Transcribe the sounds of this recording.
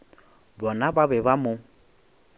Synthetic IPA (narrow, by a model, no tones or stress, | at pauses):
bɔnababɛβamʊ